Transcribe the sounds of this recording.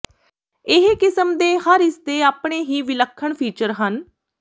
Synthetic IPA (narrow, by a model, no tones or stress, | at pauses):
ɪɦkɪsəmd̪eːhəɾɪst̪eːaːpɳeːɦiːʋɪləkʰːəɳpʰiːt͡ʃəɾɦən